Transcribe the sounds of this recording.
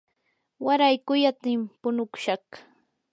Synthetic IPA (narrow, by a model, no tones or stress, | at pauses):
waɾajkʊjat̪ɪmpʊnʊkʊ̥ʃɑχ